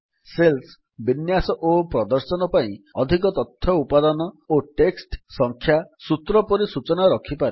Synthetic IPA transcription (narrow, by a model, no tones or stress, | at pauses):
sels | binjasɔʔopɾɔd̪ɔɾsɔnɔpaĩɔd̪ʱikɔt̪ɔt̪ʰjɔupad̪ɔnɔoʈeksʈsɔŋkʰjasut̪ɾɔpɔɾisut͡ʃɔnaɾɔkʰipaɾe